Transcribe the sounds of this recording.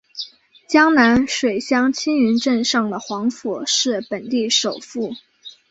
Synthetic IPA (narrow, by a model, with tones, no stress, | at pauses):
t͡ɕjɑ˥ŋna˧˥nʂwe˨˩ɪɕjɑ˥ŋt͡ɕʰi˥ny˧˥nʈ͡ʂə˥˧nʂɑ˥˩ŋd̪ə˩xwɑ˧˥ŋfɔ˨˩ʂɻ̩˥˩pə˨˩nt̪i˥˩ʂo˨˩ʊfu˥˩